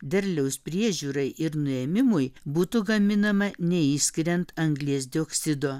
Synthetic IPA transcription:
d̪ʲɛɾʲlʲɛʊspʲɾʲiɛʒʲuːɾɐɪʔɪɾnʊɛmʲɪmʊjbuːt̪ʊɡɐmʲɪnɐmɐnʲɛiːsʲkʲɪɾʲɛnt̪ɐŋɡlʲiɛsd̪ʲɪoksʲɪd̪oː

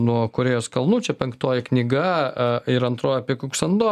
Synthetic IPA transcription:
nuɔkʊɾʲeːjoːskɐlˠnuːt͡ʃʲɛpʲɛŋkt̪oːjɛknʲɪɡɐɪɾɐnt̪ɾoːjɛɐpʲiɛkʊksɐnd̪oː

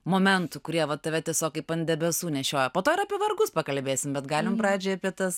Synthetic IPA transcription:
moːmʲɛnt̪ʊkʊɾʲiɛʋɐt̪ɐʋʲɛt̪ʲiɛsʲoːkʲɪpɐnʲd̪ʲɛbʲɛsuːnʲɛʃʲoːjɛpoːt̪oːɪɾɐpʲiɛʋɐɾɡʊspɐkɐlʲbʲeːsʲɪmbʲɛt̪ɡɑːlʲɪmpɾɑːd͡ʒʲɛːɐpʲiɛt̪ɐs

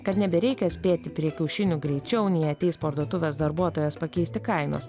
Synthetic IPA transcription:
kɐt̪nʲɛbʲɛɾʲɛɪkʲɛsʲpʲeːt̪ʲɪpʲɾʲiɛkʲɛʊʃʲɪnʲʊɡɾʲɛɪt͡ʃʲɛʊnʲɛɪɐt̪ʲɛɪspoɾd̪uɔt̪ʊʋʲeːsd̪ɐɾbuɔt̪oːjɛspɐkʲɛɪst̪ʲɪkɐɪno̰ːs

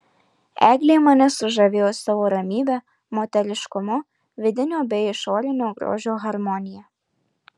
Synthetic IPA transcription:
ɛ̰ɡlʲɪmɐnʲɛsʊʒɐʋʲɪjosɐʋoɾɐmʲiːʋʲɛ | mot̪ʲɛɾʲɪʃkʊmɔ | ʋʲɪd̪ʲɪnʲobʲɛjɪʃoːɾʲɪnʲoɡɾo̰ːʒʲoɣɐɾmɔnʲɪjɛ

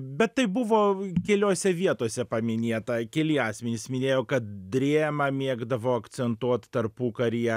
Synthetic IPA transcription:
bʲɛt̪tɐɪbʊʋoːkʲɛlʲoːsʲɛʋʲiɛt̪oɔsʲɛpɐmʲɪnʲeːt̪ɐkʲɛlʲɪɑːsʲmʲɛnʲɪsmʲɪnʲeːjoːkɐt̪̚d̪ʲɾʲeːmɐmʲiɛɡd̪ɐʋoːɐkt͡ssʲɛnt̪uɔt̪t̪ɐrpuːkɐɾʲijɛ

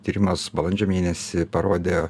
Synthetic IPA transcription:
t̪ʲiːɾʲɪmɐsbɐlˠɐnʲd͡ʒʲoːmʲeːnʲɛsʲɪpɐɾoːd̪ʲe

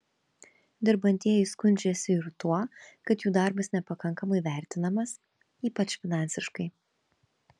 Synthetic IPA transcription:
d̪ʲɪɾbɐnʲt̪ʲiɛjʊskʊnʲd͡ʒʲeːsʲɪɪɾt̪uɔkɐt̪juːd̪ɑˑɾbɐsnʲɛpɐkɐŋkɐmɐɪʋʲæˑɾʲt̪ʲɪnɐmɐs | iːpɐt͡ʃʲfʲɪnɑˑnʲsʲɪʃkɐɪ

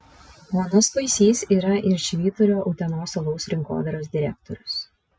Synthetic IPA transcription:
ɔnʊspɐɪsʲiːsʲiːɾɐʔɪɾʃʲʋʲiːt̪ʊɾʲoːʔɔʊt̪ʲɛnoːsɐlˠɔʊsɾʲɪŋko̰ːd̪ɐɾoːs̬d̪ʲɪɾʲæ̰k̚t̪ɔɾʲʊs

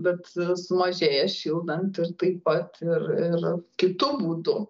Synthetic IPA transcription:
bʲɛt̪sʊmɐʒʲeːjɛʃʲiːlˠd̪ɐnt̪ɪrt̪ɐɪppɐt̪ɪrɪrkʲɪt̪ʊbuːd̪ʊ

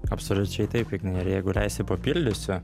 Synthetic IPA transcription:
ɐpsolʲʊt͡ʃʲɛɪt̪ɐɪpʲɪɡnɐɪɪɾjæɪɡʊlʲæɪsʲɛpɐpʲɪlʲd̪ʲʊsʲʊ

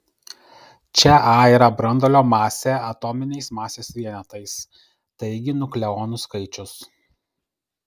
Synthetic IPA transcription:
t͡ʃʲɛʔɑːiːɾɐbɾɐnd̪ɔlʲoːmɑːsʲeːɐt̪ɔːmʲɪnʲɛɪsmɑːsʲeːsʋʲiɛnʲɛt̪ɐɪs | t̪ɐɪɡʲɪnʊklʲɛɔːnʊskɐɪt͡ʃʲʊs

